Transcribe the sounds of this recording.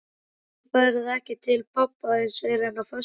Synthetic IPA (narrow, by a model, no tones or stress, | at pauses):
pɛɾɪðɛhcɪt̪ʰɪlpʰɔpːaɪnsvɛɾɛnafœ